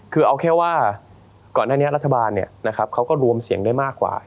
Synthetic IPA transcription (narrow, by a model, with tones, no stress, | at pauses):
kʰɯː˧ʔa˧wkʰɛː˥˩waː˥˩ | kɔː˨˩nːaː˥˩ni˦˥ɐɾa˦t̪ʰːa˧baː˧nːi˥˩ɐna˦˥kʰa˦˥p̚kʰa˦˥wkɔː˥˩ɾu˧əmsi˨˩˦əŋdaː˥˩jmaː˥˩kːwa̰ː˨˩